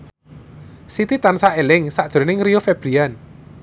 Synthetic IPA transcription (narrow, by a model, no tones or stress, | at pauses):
sit̪it̪ansaelɪŋsaʔd̥ʒ̥ɾonɪŋrijofeb̥ɾian